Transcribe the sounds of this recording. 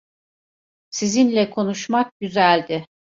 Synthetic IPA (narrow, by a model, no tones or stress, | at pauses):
sizinlʲɛkʰo̞nuʃmak̚ɟyzælʲd̪ɪ